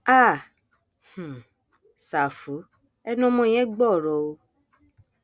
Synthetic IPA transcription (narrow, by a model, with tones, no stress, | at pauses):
a˦˨ | h̩˨ | sa˨fu˨˦ | ɛ˦nɔ̃˦mɔ̃˧˦˨j̃ɛ̃˦ɡ͡bɔ˦˨ɾɔ˨o˧